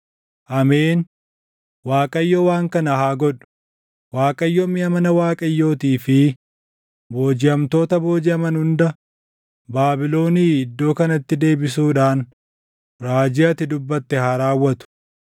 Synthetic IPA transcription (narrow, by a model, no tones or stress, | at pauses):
ʔɐme̞ːn | waːkʼɐjːɔwaːŋkɐnɐhaːɡɔᶑʊ̥ | waːkʼɐjːɔmɪɐmɐnɐwaːkʼɐjːo̞ːt̪iːfɪ | bo̞ːd͡ʒɪɐmt̪o̞ːt̪ɐbo̞ːd͡ʒɪɐmɐnhʊnd̪ɐ | baːbɪlo̞ːniːɪd̪ːo̞ːkɐnɐt̪ːɪd̪e̞ːbɪs̬uːᶑaːn | ɾaːd͡ʒɪɐt̪ːɪd̪ʊbːɐt̪ːɛhɐɾaːwːɐt̪ʊ̥